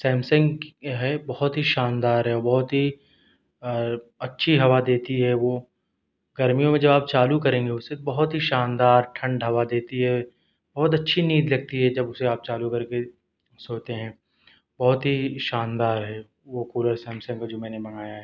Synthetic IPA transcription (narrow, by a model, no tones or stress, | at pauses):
sɛːmsə̃ŋɡɦɛbɐɦɔt̪ɦiʃaːnd̪aːɾɦɛɔɾbɐɦʊt̪ɦi | ɐtːʃʰiɦɐʋad̪eːt̪iɦɛʋo | ɡɐɾmijõmẽd͡ʒɐbaːp̚t͡ʃaːlukɐɾẽːŋɡeʊsebɐɦʊt̪ɦiʃaːnd̪aːɾʈʰɐ̃ɳɖɦɐʋad̪eːt̪iɦɛ | bɐɦʊt̪̬ɐtːʃʰiniːd̪lɐɡ̚t̪iɦɛd͡ʒɐbʊseaːp̚t͡ʃaːlukɐɾke | soːt̪eɦɛ̃ː | bɐɦʊt̪ɦiʃaːnd̪aːɾɦɛ | ʋokuːləɾsɛ̃ːmsə̃ŋɡkad͡ʒoːmɛ̃ːnemɐŋaːjaɦɛː